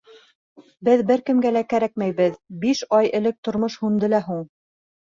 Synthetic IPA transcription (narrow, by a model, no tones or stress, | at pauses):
bɘðbɘɾkɘ̆mɡælækæɾæk̚mæjβɘðbiʃɑjɘ̆lɘk̚t̪ŏɾmoʃhund̪ɤlæɦuɴ